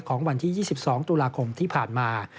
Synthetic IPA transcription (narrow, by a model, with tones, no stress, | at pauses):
kʰɔː˩˦ŋwa˧nt̪ʰiː˥˩jiː˥˩si˨˩p̚sɔː˩˦ŋt̪uː˧laː˧kʰo˧mt̪ʰiː˥˩pʰaː˨˩nmaː˧